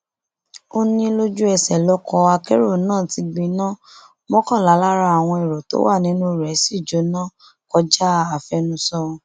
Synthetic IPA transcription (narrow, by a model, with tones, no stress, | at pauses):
o˦nĩ˧˦lo˧d͡ʒu˦ɛ˧˨sɛ˨lɔ˦kɔ˧a˧ke˦ɾo˦˨nãː˦˨ti˧ɡ͡bĩ˧nã˦ | mɔ̃˦kã˦˨la˨˦la˦ɾa˧a˨w̃ɔ̃˧e˨ɾɔ˨to̰˨˦wa˦˨nĩ˨˦nũ˦˨ɾɛ˨˦si˦˨d͡ʒo˨˦nã˦˨ | kɔ˧˦d͡ʒa˦a˦˨fɛ˧nũ˧sɔ˧